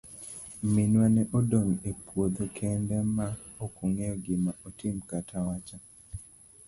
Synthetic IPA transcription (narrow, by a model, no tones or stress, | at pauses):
minwanɛʔodoŋepwod̪okʰɛndɛmaokoŋejɔɡɪmaotʰɪmkatʰawat͡ʃa